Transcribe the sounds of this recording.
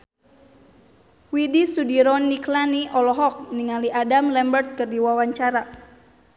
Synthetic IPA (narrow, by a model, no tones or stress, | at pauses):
widisudiɾɔnːiklaniʔɔlɔɦɔk̚niŋaliʔadamlɛmbərt̪̚kərdiwawaɲt͡ʃaɾa